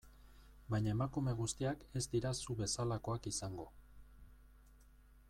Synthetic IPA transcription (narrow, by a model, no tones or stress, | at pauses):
bajɲae̞makume̞ɣ̞ust̪iake̞zd̪iɾasuβe̞salako̞akisaŋɡo̞